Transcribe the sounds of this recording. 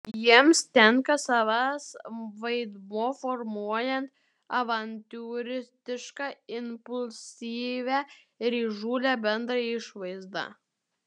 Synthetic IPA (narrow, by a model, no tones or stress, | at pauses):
jiɛmst̪ʲɛŋkɐsɑʋɑsʋɐɪd̪moːfɔɾmuɔjɛnt̪ | ɐʋɐnʲt̪ʲuːɾʲɪst̪ʲɪʃkɑɪnpʊlʲsʲiːʋʲæ | ɾiːʒuːlʲæːbʲɛnd̪ɾɐɪʃʋɐɪzd̪ɑ̰ː